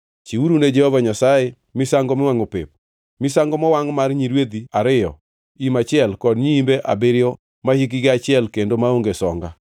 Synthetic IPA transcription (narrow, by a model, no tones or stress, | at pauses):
t͡ʃiuɾuned͡ʒɛhɔvaɲasaje | mɪsaŋɡɔmɪwaŋopḛp̚ | mɪsaŋɡɔmɔwaŋmaɾɲiɾwed̪iaɾɪjɔ̰ | imat͡ʃɪɛlkɔdɲiːmbeʔa̰bɪɾjɔ | mahik̬iɡeat͡ʃɪɛlkendomaoŋɡesɔŋɡa